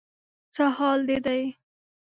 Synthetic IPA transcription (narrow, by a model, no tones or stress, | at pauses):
t͡səhɑld̪ed̪aj